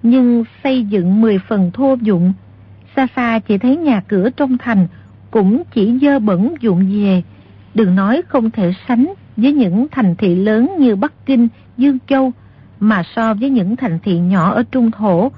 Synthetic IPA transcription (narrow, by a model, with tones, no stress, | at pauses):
ɲɨ˧ŋsə˧jzɨ̰˧˨ŋmɨ˨˩əjfə˨˩nt̪ʰu˧əzʊ̰˧˨ŋ͡m | saː˧faː˧t͡ɕi˧˩t̪ʰə˨˦jɲaː˨˩kɨ˧˩ət͡ɕɔ˧wŋ͡mt̪ʰa˨˩jŋ̟ | kʊ̰˧˥ŋ͡mt͡ɕi˧˩zəː˧ɓə̰˧˩nzʊ̰˧˨ŋ͡mze˨˩ | ɗɨ˨˩ək̚nɔ˨˦jxə˧wŋ͡mt̪ʰe˧˩sa˨˦jŋ̟ | vəː˨˦jɲɨ̰˧˥ŋt̪ʰa˨˩jŋ̟t̪ʰḭ˧˨ləː˨˦nɲɨ˧ɓa˦˥kkï˧ŋ̟ | zɨ˧əŋt͡ɕə˧w | maː˨˩sɔ˧vəː˨˦jɲɨ̰˧˥ŋt̪ʰa˨˩jŋ̟t̪ʰḭ˧˨ɲɔ˧˩ʔəː˧˩t͡ɕʊ˧ŋ͡mt̪ʰo˧˩